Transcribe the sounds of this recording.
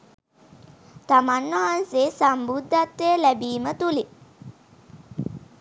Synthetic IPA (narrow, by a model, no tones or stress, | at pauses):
t̪amanːaɦanseːsambud̪ʱːat̪ːeəlæbiːmət̪uli